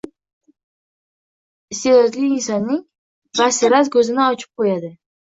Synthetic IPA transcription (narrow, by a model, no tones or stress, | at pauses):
ɪst̪ed̪ɒt̪lɪiːnsɒnːɪŋ | vasɪɾat̪kʰɵzɪnaɒt͡ʃʰɪ̥p̚qʰojad̪ɪ